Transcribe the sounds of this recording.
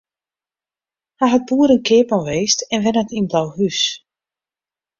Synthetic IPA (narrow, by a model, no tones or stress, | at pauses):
hajɦat̚buːəɾənkʰɪːpɔnʋeːstɛnʋɛnətinblawhys